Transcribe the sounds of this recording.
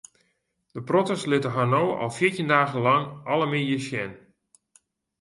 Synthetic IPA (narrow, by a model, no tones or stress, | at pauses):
d̥əprɔtəslɪtəɦanoːʔɔ̰lˠfɪtəndaːɣəlɑŋɑlˠəmijəsjɛn